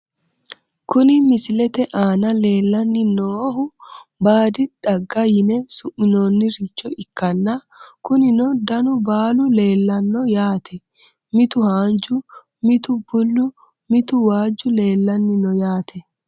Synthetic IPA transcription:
kʊnɪmɪsɪlɛt̪ɛʔaːnɐle̞ːlːɐnːɪnoːhʊbaːd̪ɪᶑɐɡːɐjɪnɛsʊʔːɪnoːnːɪɾɪt͡ʃːɔʔɪkːɐnːɐ | kʊnɪnɔd̪ɐnʊbaːlʊle̞ːlːɐnːɔjaːt̪ʰɛ | mɪt̪ʊhaːnd͡ʒʊ | mɪt̪ʊbʊlːʊ | mɪt̪ʊwaːd͡ʒːʊle̞ːlːɐnːɪnɔjaːt̪ʰɛ

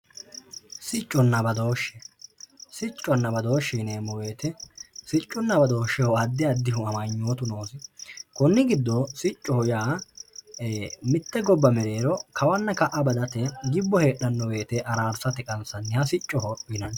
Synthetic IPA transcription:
sɪt͡ʃʼːɔnːɐbɐd̪o̞ːʃːɛ | sɪt͡ʃʼːɔnːɐbɐd̪o̞ːʃːineːmɔwe̞ːt̪ɛsɪt͡ʃʼːʊnːɐbɐd̪o̞ːʃːɛhɔɐd̪ːɪɐd̪ːɪɦʊɐmɐɲːoːt̪ʊnoːsɪkɔnːɪɡɪd̪ːɔsɪt͡ʃʼːɔhɔjaː | mɪt̪ːɛɡɔbːɐmɛɾeːɾɔkɐwɐnːɐkɐʔɐbɐd̪ɐt̪ɛɡɪbːɔhe̞ːɗɐnːɔwe̞ːt̪ɛʔɐɾaːɾsɐt̪ɛkʼɐnsɐnːɪhɐsɪt͡ʃʼːɔhɔɪnɐn

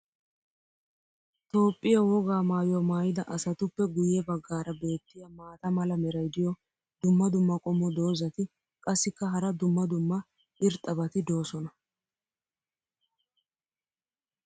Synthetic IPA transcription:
t̪o̞ːpʼːɪjɐwɔɡaːmaːjɔmaːjɪd̪ɐʔɐsɐt̪ʊpːɛɡʊjɛbɐɡːaːɾɐbe̞ːt̪ːɪjɐmaːt̪ɐmɐlɐmɛɾɐjd̪ɪjɔ | d̪ʊmːɐd̪ʊmːɐkʼɔmːɔd̪o̞ːzɐt̪ɪ | kʼɐsːɪkːɐɦɐɾɐd̪ʊmːɐd̪ʊmːɐ | ɪɾt̪ʼːɐbɐt̪ɪd̪o̞ːsɔnɐ

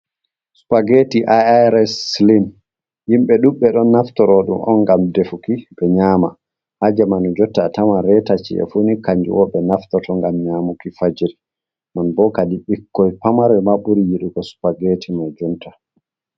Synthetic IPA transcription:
su̥paɡetiʔaaɾɛslin | jimɓɛɗuɓɛɗɔnːaftɔɾɔɗṵmʔɔ̰nɡamdefukiɓɛɲaːma̰ | ʔad͡ʒamanud͡ʒɔtːatamanɾɛtat͡ʃḭɛ̰funikaɲd͡ʒṵwɔɓɛnaftɔtɔŋɡamɲamukifad͡ʒiɾi | nanbɔkadiɓikːɔjpamaɾɛmaɓuɾijiɗuɡɔsu̥paɡetimad͡ʒɔntʰḁ

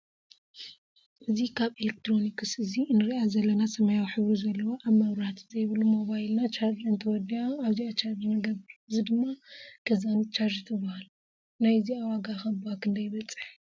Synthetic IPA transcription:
ʔɨzikʰaβelek̚t̪ʰɾo̞nikʰɨsɨzinɨɾiʔazɐlːɐnasɐmɐjawiħɨβɾizɐlːɐwoʔaβmɐβɾat̪zɐjβɨlumo̞βajlnat͡ʃʰaɾd͡ʒɨnt̪ʰɨwɔd̪iaaβziat͡ʃʰaɾd͡ʒmɐɡɐβɨɾɨzid̪ɨmːakʰɐzanit͡ʃaɾd͡ʒt̪ʰɨbːahalu | najziawaɡaxɐbakʰɨnd̪ɐjβɐt͡sʼːɨ̥ħ

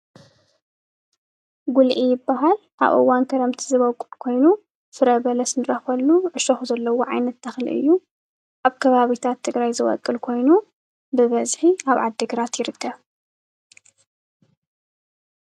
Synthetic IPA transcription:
ɡulʔijɪbːaɦal | ʔa̰βʔɨ̰wːankʰɐɾɐmt̪ʰizɨβɐwkʼulkʰo̞jnu | fɨɾɐβɐlɐsnɨɾɐxɐlːuʕɨʃɐxuzɐlːɐwoʕajnɐt̪ːɐxlḭʔɨ̰jːu | ʔaβkʰɐβaβit̪ʰat̪ʰːɨɡɾajzɨwɔ̰kʼːɨlkʰo̞jnu | bɨβɐzħiaβʕad̪ːɨɡɾat̪jɪɾɨkʰːɐβ

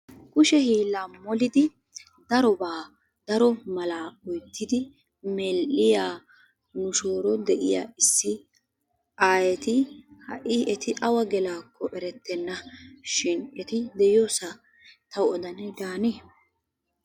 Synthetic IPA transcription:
kʊʃɛhiːlːamɔlɪd̪ɪ | d̪ɐɾɔbaː | d̪̥ɐɾɔmɐlaːɔjt̪ːɪd̪ɪ | mɛlʔɪjaː | nʊʃoːɾɔd̪ɛʔɪ̰ja̰ːɪsːɪ | ʔaːjɛt̪ɪhɐ̰ʔɪɛt̪ɪʔɐwɐɡɛlaːkʰːɔʔɛɾɛt̪ːɛnːɐʃɪnɛt̪ɪd̪ɛjoːsɐ | t̪ʰɐwɔd̪ɐnɛd̪aːneː

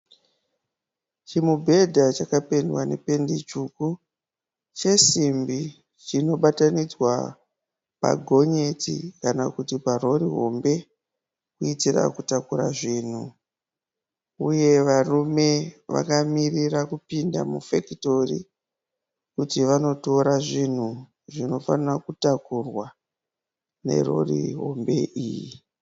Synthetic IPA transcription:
t͡ʃimubʱe̞dʱat͡ʃakape̞ndwane̞̰pe̞ndit͡ʃuku | t͡ʃe̞simbi | t͡ʃino̞ɓatanid͡zwa | pa̰ɡʱo̞ɲe̞tḭkanakutiparo̞riɦo̞̰mbe̞ | kuitira̰kutakuɾa̰ʐiːn̤u | uje̞ʋarume̞ʋa̰kamirirakupindamufekito̞rḭ | kutiʋano̞to̞ɾaʐin̤u | ʐino̞fanirakutakurwa | ne̞̰ro̞̰rḭɦo̞̰mbe̞ʔiːjḭ

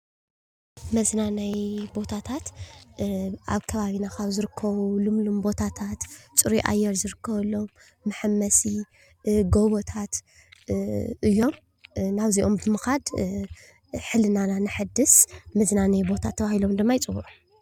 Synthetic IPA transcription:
mɐznanajbo̞t̪ʰat̪ʰat̪ | ʔaβkʰɐβaβinakaβzɨɾɨkʰːɐβulɨmlumbo̞t̪ʰat̪ʰat̪t͡sʼɨɾiʔa̰jːɛɾzɨɾɨkʰːɐβɐlːo̞mː | ɨħɨmːɐsi | ɡo̞βot̪ʰat̪ | ʔɨjːo̞m | naβziʔo̞mbɨmɨxad̪ | ħɨlɨnananɨħɨd̪ːɨsmɐznanajbo̞t̪ʰat̪ʰːɐβahilo̞md̪ɨmːajɪt͡sʼɨwuʔu

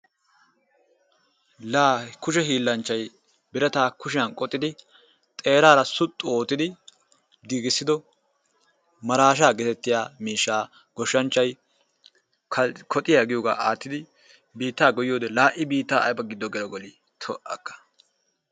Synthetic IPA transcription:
laːkʊʃ̬ɛɦiːlːɐnt͡ʃːɐj | bɪɾɛt̪aːkʊʃɪjɐnkʼɔt̪ʼːɪd̪ɪ | t̪ʼe̞ːɾaːɾɐsʊt̪ʼːʊo̞ːt̪ːɪd̪ɪ | ɡiːɡɪsːɪd̪ɔ | mɐɾaːʃ̬aːɡɛt̪ɛt̪ːɪjaːmiːʃːaː | ɡ̥ɔʃːɐnt͡ʃːɐj | kʰɔt̪ʼːɪjaːɡɪjoːɡa̰ːʔaːt̪ːɪd̪ɪ | biːt̪ːaːɡɔjɪjo̞ːd̪ɛlaːʔɪbiːt̪ːaːɐ̰jbɐɡɪd̪ːɔɡɛlɔɡɔli | t̪ʰɔʔɐkːɐ̥

